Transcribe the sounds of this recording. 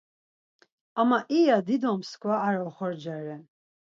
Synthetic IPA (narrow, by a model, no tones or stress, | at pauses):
amːaʔijad̪id̪ɔmskvaːɾaχɔɾd͡ʒaɾɛ